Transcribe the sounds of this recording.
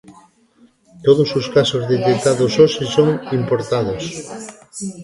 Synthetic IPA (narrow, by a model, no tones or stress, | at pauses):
t̪oðososkasozðet̪ekt̪aðososesoŋimpoɾt̪aðos